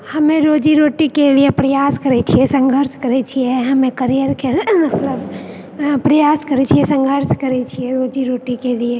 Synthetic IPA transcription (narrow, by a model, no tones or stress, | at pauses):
hɐmẽɾoːd͡ʒiɾoːʈikeliepɾɐjaːskɐɾet͡ʃʰiɛsə̃ŋɡʱəɾʃkɐɾet͡ʃʰiɛɦɐmẽkəɾijəɾkemɐt̪ləb | pɾɐjaːskɐɾet͡ʃʰiɛsə̃ŋɡʱəɾʃkɐɾet͡ʃʰiɛɾoːd͡ʒiɾoːʈikelie